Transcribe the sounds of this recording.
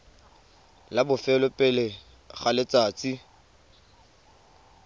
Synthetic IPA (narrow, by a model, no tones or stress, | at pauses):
labʊfɛlʊpʼɛlɪ | χalɪt͡sʼaːt͡sʼi